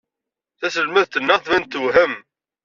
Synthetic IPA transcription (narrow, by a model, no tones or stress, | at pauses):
θæsəlmæðt̪ːənːəʁˤθvænt̪ːəwɦəm